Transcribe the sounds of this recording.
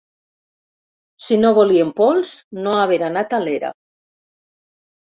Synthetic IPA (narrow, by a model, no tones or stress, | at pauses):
sinoβoliempolsnoaβ̞eɾanat̪aleɾa̰